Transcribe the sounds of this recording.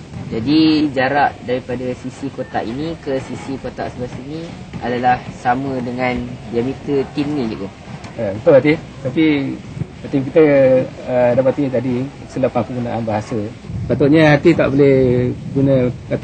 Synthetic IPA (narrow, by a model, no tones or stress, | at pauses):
d͡ʒadid͡ʒaɾaʔdaɾipadasisikot̪a̰ʔinĩkəsisikot̪a̰ʔsəbasinia̰dalahsamə̃dəŋãndiamĩt̪ət̪innĩd͡ʒuk̪u | əbənt̪ʊlat̪i | t̪api | t̪imkit̪əədapat̪it̪adi | səlapahpəɡunaʔanbaɦasə | pat̪oʔɲaɦat̪it̪a̰ʔbolɛhɡunəkat̪